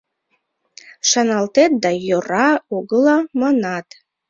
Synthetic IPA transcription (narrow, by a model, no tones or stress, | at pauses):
ʃɑnɑlt̪et̪̚d̪ɑjorɑuɡəlɑmɑnɑt̪